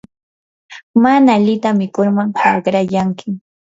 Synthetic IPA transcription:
manaʎɪt̪amɪkʊɾmaŋhɑɢɾajaŋkʰɪ

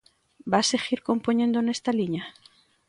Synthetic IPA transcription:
baseɣiɾko̞mpoɲẽnd̪onest̪aliɲa

